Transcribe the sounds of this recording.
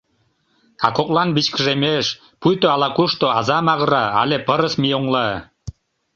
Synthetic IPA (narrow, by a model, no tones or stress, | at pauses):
ɑkoklˠɑnbit͡ɕkəʒemeʃ | pujt̪oɑlɑkuʃt̪oɑzɑmɑɣəɾɑɑ̰lʲepəɾəsmioŋlɑ